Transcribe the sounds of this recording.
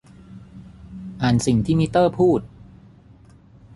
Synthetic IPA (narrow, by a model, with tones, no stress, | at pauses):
ʔaː˨˩nsi˨˩ŋt̪ʰiː˥˩mi˦˥t̪ːɤː˥˩pʰuː˥˩t̪̚